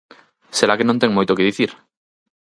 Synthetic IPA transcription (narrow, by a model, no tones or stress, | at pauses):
seɾakenõnt̪eŋmojt̪okeðiθiɾ